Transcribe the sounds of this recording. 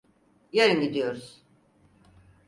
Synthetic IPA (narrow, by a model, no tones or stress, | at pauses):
jeɾinɡʲid̪ijo̞ɾuz̥